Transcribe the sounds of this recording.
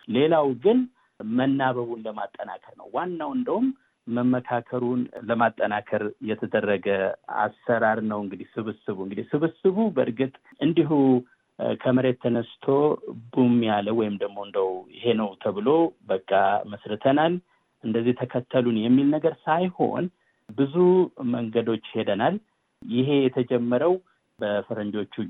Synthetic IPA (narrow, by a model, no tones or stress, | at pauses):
le̞lawɡɨn | mənːaβəβunləma̰t̪ʼːəna̰kʰəɾnə̰wːanːawɨnd̪əumː | əmːəkʰakʰəɾunləmat̪ʼːənakʰəɾjɛt̪ʰəd̪ərːəɡəa̰sːəɾaɾnəwɨŋɡɨd̪ihsɨβɨsɨβuɨŋɡɨd̪ihsɨβɨsɨβubəɾɡɨt̪ʼ | ʔɨnd̪iɦu | kʰəməɾe̞t̪ʰːənəst̪ʰo̞bumːjaləwɔjɪmd̪əɡmo̞ɨnd̪əwjɪ̰he̞nəwt̪ʰəβɨlo̞bəkʼːaməsɾɨt̪ʰənal | ʔɨnd̪əzːiht̪ʰəkʰət̪ʰːəlunjɛmːilnəɡəɾsajho̞̰n | bɨzuməŋɡəd̪o̞t͡ʃːhe̞d̪ənal | jɪɦe̞jɛt̪ʰəd͡ʒɛmːəɾəw | bəfɨɾənd͡ʒo̞t͡ʃːu